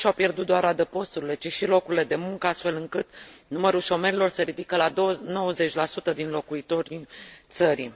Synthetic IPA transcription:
ʃawpje̞rd̪ut̪d̪oaɾad̪əpo̞st̪uɾile̞t͡ʃiʃilo̞kuɾile̞d̪e̞muŋkəast̪fe̞lɨŋkɨt̪numəɾulʃo̞me̞ɾilo̞rseɾid̪ikəlaono̞wəze̞t͡ʃʲlasut̪əd̪inlo̞kuit̪o̞ɾʲit̪səɾḭ

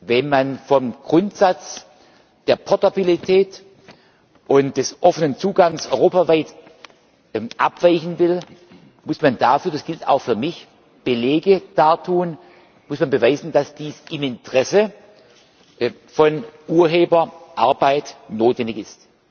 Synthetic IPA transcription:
vɛnmanfɔmɡ̥ʁʊntz̥at͡s | d̥eːɐpʰɔɐtabilitʰɛːt | ʔʊnt̚d̥ɛsʔɔfənənt͡suːɡaŋsʔɔʏʁoːpavaɪt | ʔapv̥aɪçn̩vɪl | mʊsmandafyːɐdasɡ̥ɪltʰa̰ʊxfyːɐmɪç | b̥əlɛːɡəd̥aːtʰuːən | mʊsmanbəvaɪzn̩d̥asd̥iːsɪmɪntʁ̥ɛsə | fɔnʔuːɐɦeːbɐʔaɐbaɪtnoːtvɛndɪçɪst

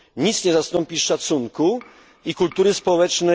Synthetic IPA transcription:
ɲit̪sɲɛzast̪ɔmpʲiʂat̪suŋku | ikult̪uɾɘspɔwɛt͡ʂnɛ

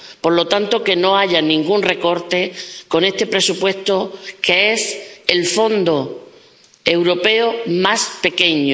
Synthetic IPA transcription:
po̞ɾlo̞t̪ant̪o̞ke̞no̞aʎanĩŋɡunre̞ko̞ɾt̪e̞ko̞ne̞st̪e̞pɾe̞supwe̞st̪o̞ke̞ese̞lfo̞nd̪o | e̞wɾo̞pe̞omaspe̞ke̞ɲo

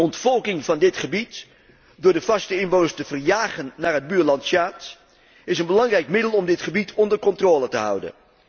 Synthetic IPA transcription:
ɔntfɔlˠkɪŋvɑndɪtχəbit | dʊːɹdəvɑstəɪnbownəɹstəvərjaːχənːaːrɦəd̚byːɹlɑntsaːt | ɪsənbəlɑŋrɛjkmɪdəlˠɔmdɪtχəbitʰɔndərkɔntroːlətəɦʌ̰wdə̰n

